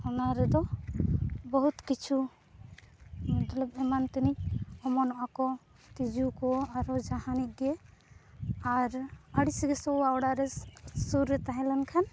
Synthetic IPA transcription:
ɔnaɾɛd̪ɔ | bɔɦut̪kit͡ʃʰu | mɔt̪alɔbɛmant̪inic̚ˀɔmɔnɔʔakɔ | t̪id͡ʒukɔaɾɔd͡ʒahanic̚ɡɛ | aɾəɽisiɡɛsɔaɔɽaɾɛsuɾːɛt̪aɦɛ̃lankʰan

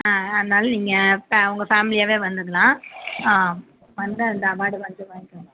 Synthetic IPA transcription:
aːɐðɯnaːlɐniːŋɡɐfɐʋʊŋɡɐfaːmɪlɪjaːʋeːʋɐnd̪ɯɾɯlãːaː | ʋɐnd̪ɯɐnd̪ɐːbaːɽɯʋɐnd͡ʒɯʋaːɪkːʊ̃

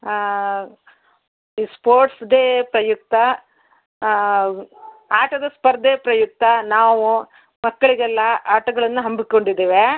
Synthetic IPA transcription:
ispoːɾʈsd̪eːpɾɐjuk̚t̪ːɐ | aːʈɐd̪ɐspɐɾd̪eːpɾɐjuk̚t̪ːɐnaːʋu | mɐkːɐɭiɡɛlːɐaːʈɐɡɐɭɐnːuɦɐmbikːo̞ɳɖid̪ːeːʋe

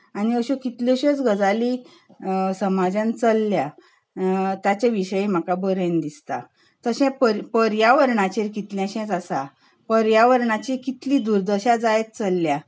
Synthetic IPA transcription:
aniəɕukit̪ljɔɕẽt͡sɡəd͡zali | səmad͡ʑãnt͡səlːja | t̪jat͡ɕãʋiɕəjem̤akabəɾẽnd̪ist̪a̰ | t̪əɕɛ̃pəɾpəɾjaʋəɾɳat͡ɕeɾkit̪ljãɕɛ̃t͡sasa | pəɾjaʋəɾɳat͡ɕikit̪lid̪uɾd̪əɕad͡zajt̪̚t͡səlːja

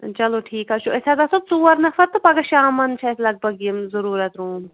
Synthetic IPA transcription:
t͡ʃɐloːʈʰiːkat͡ʃʰuʔesad̪ɐsub̚t͡suːɐɾnɐfɐɾt̪ɨpɐɡɐʃaːmɐnt͡ʃʰɐslɐɡ̚bɐɡimzɐɾuːɾɐt̪ɾuːm

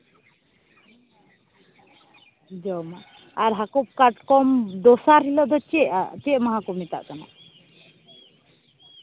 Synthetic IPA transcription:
d͡ʒɔwma | aɾɦakup̚kaʈkɔmd̪ɔsaɾɦilɔd̪ɔt͡ʃɛʔa̰t̪ɛʔmaɦãkɔmit̪a̰ʔkana̰

